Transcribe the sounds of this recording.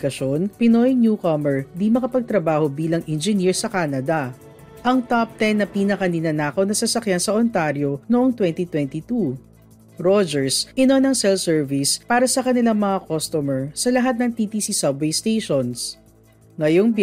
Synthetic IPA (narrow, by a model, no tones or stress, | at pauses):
kɐʃonpɪnojnjukɐmɛɹd̪imɐkɐpɐɡ̚t̪ɾɐbaːho̞biːlɐŋʔɛnd͡ʒɪniɹsɐkaːnɐd̪ɐ | ʔɐŋt̪ap̚t̪ɛnːɐpiːnɐkɐnɪnanaːkɐwnɐsɐsɐkjansɐʔont̪aɾjo̞noʔoŋt̪wɛnt̪it̪wɛnt̪it̪u | ɹod͡ʒɛɹsʔɪnonɐŋsɛlsɛɹvispaːɾɐsɐkɐnɪlaŋmɐŋakost̪omɛɹsɐlɐɦat̪̚nɐŋt̪it̪isisɐbvejst̪ejʃons | ŋɐjoŋ